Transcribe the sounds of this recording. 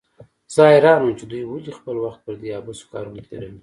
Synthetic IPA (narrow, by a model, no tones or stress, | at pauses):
z̥ɑjɾɑnəmt͡ʃed̪ujwalixpəlwaxt̪̚pəɾd̪eɑbuskɑ̰ɾunəla̰ɾawi